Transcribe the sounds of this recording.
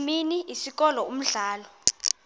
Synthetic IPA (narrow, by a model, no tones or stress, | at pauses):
miniisik̬ʼɔlɔum̩ɮaːlɔ